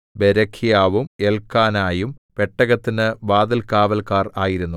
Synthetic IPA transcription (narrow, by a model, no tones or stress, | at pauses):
beɾɐkʰːjaːʋumelkːaːnaːjumpe̞ʈːɐɣɐt̪ːinɨʋaːd̪ɐlkaːʋɐlkaːraːjiɾunːu